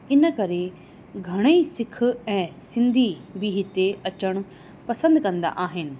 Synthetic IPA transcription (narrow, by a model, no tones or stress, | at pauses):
ɪnkɐɾe | ɡʱɐɽ̃əisɪkʰɛ̃ːsɪnd̪ʱibʱiɦɪt̪ːeʔɐt͡ʃəɳ̃ | pɐsə̃nd̪kɐ̃nd̪a̰ʔaːɦɪnɪ̆